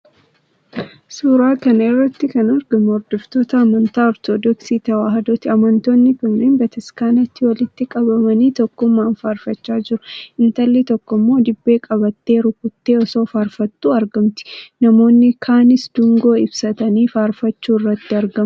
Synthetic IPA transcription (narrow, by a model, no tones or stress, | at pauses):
suːɾaːkɐnɐrːɐt̪ːɪkɐnɐɾɡɐmɔɾd̪ɔft̪o̞ːt̪ɐːmɐnt̪aːɔɾt̪ʰod̪ɔksiːt̪ɐwaːɦɐd̪oːt̪ɪɐmɐnt̪o̞ːnːɪkɐŋneːnbɐt̪ɐskaːnɐt̪ːɪwɐlɪt̪ːɪkʼɐbɐmɐniːt̪ɔkːʊmːaːnfaːɾfɐt͡ʃːaːd͡ʒɪɾʊɪnt̪ɐlːɪt̪ɔkːɔmːo̞ːd̪ɪbːe̞ːkʼɐbɐt̪ːe̞ːɾʊkʊt̪ːe̞ːɔso̞ːfaːɾfɐt̪ːuːɐɾɡɐmt̪ɪ̥nɐmo̞ːnːɪkʰaːnɪsd̪̥ʊŋɡo̞ːɪbsɐt̪ɐniːfaːɾfɐt͡ʃːuːɪrːɐt̪ːɪɐɾɡɐm